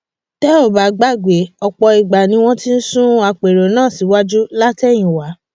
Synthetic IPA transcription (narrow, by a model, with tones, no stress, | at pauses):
tɛ˦o˦˨ba˨ɡ͡ba˦˨ɡ͡be˨˦ɔ˧k͡pɔ˧i˨ɡ͡ba˨nĩ˧˦w̃ɔ̃˦ti˦n̩˦sũ˦a˧k͡pe˨ɾo˨nãː˦˨si˨˦wa˦d͡ʒu˦la˦tɛ˦˨j̃ĩ˨wa˨˦